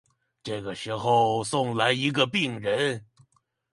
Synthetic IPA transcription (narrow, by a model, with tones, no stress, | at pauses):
ʈ͡ʂɤ˥˩ɡə˩ʂɻ̩˧˥xo˥˧ʊsʊ˥˩ŋla˧˥ɪi˧˥ɡə˧pi˥˩ŋɻə˧˥n